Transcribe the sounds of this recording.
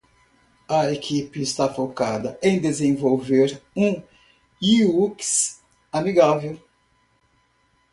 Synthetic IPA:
ɐekʰipɪːst̪afokad̪ɐẽj̃d̪ezẽvowveɾũ | iuks | amiɡavew

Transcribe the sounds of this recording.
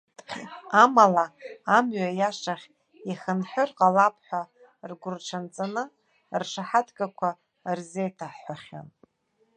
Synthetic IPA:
amalaːmɥajaʂaχʲ | iχənħʷᶣərqʼalapʰħʷa | rɡʷʊrʈ͡ʂʰant͡sʼanɨ | rʂaħatʰɡʼakʷʰa | rzejtʰaħħʷaχʲa̰n

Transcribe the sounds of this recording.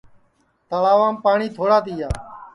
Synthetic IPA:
t̪əlaːʋãːmpaːɳiːt̪ʰoːɽaːt̪iːaː

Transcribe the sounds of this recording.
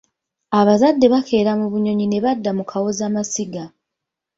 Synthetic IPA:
aβazadːe̞βakʰe̞ːɾamuβuɲo̞ɲine̞βadːamukʰawo̞zaːmasiɡa

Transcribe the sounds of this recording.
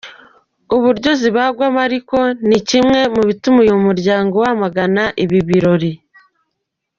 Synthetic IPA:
uβuɾɟo̞ziβaɡwamaɾiko̞nicimŋe̞muβitumujomuɾɟaːŋɡo̞wamaɡanaʔiβiβiɾo̞ɾi

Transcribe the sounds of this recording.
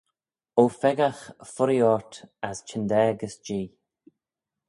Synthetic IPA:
ofɛɡaxfʊɾiɔɹt̪ast͡ʃʰɪnd̪ɛːɡəsd͡ʒiː

